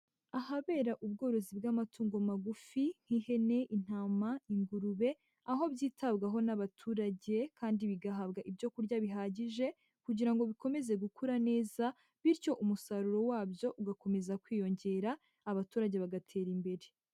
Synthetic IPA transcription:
ahaβe̞ːɾaʔub̚ɡo̞ːɾo̞zibɡamatʰuːŋɡo̞maɡufiŋ̥hihe̞ne̞ʔin̥aːmaiŋɡuɾuβe̞ | aɦo̞bɟiːtabɡaɦo̞naβatʰuːɾaɟe̞kʰaːndiβiɡaɦaβɡaʔibɟo̞kuɾɟaβiɦaːɟiʒe̞ | kuɟiɾaŋɡo̞βiko̞me̞ze̞ɡukʰuɾane̞ːza | βiɾco̞ʔumusaɾuɾo̞waːbjo̞ʔuɡako̞me̞zakwiːjo̞ɲɟe̞ːɾaː | βatuːɾaɟe̞βaɡatʰe̞ːɾimbe̞ɾe̞

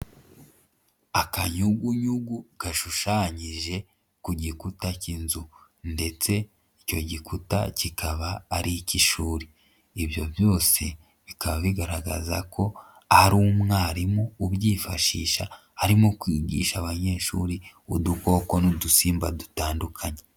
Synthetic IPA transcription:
akaɲuɡuɲuɡuɡ̥aʃuʃaːɲiʒe̞ | kuɟikutacinzu | nde̞t͡se̞ | ico̞̰ɟikuta̰cikʰaβaːɾiciʃuːɾiː | βjo̞̰βjo̞ːse̞ | βikaβaβiɡaɾaɡa̰za̰kʰo̞ | aɾuːmŋaːɾimouβɟiːfaʃḭːʃa | haɾimokwiːɟḭːʃaβaɲe̞ːʃuːɾiuduko̞ko̞nudusiːmbadutaːndukʰaɲe

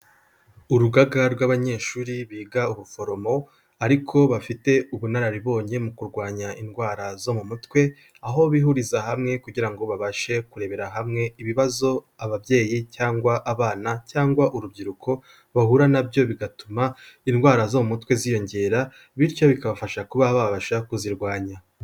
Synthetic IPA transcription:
uɾuɡaɡaɾɡwaβaɲe̞ːʃuːɾiβiːɡauβufo̞ɾo̞mo̞ | aɾikʰo̞βafite̞uβunaɾaɾiβo̞ːɲe̞mukuɾɡwaːɲaʔinɡwaːɾazo̞mumutwe̞ | aɦo̞βihuɾizahamŋe̞kuɟiɾaŋɡo̞βaβaʃe̞kuɾe̞βe̞ɾaɦamŋe̞iβiβazo̞ | aβabje̞ːjicaːŋɡwaʔaβaːnacaːŋɡwaʔuɾubɟiɾukʰo̞ | βahuɾanabjo̞βiɡatumainɡwaːɾazo̞mumutwe̞zijo̞ɲɟe̞ːɾa | βiɾcoβikaβafaʃakuβaβaβaʃakuziɾɡwaːɲa

